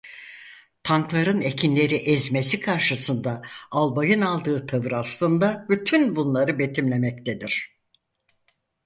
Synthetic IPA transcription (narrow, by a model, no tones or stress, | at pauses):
t̪ʰanklˠaɾɯne̞cʰinlʲe̞ɾiʔɛzmesikʰaɾʃɯsɯnd̪aalˠbajɯnalˠd̪ɯːt̪ʰavɯɾast̪ˠɯnd̪abyt̪ʰynbunlˠaɾɯbe̞t̪ʰimlʲe̞mɛc̚t̪ʰed̪iɾ̥